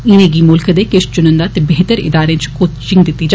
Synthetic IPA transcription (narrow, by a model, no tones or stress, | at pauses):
ɪnẽːɡiːmʊlkəd̪ekeʃt͡ʃʊnə̃nd̪aːt̪ebeɦt̪əɾɪ̰d̪aːɾet͡ʃkoːt̪t͡ʃɪŋɡd̪ɪt̪ːiːd͡ʒ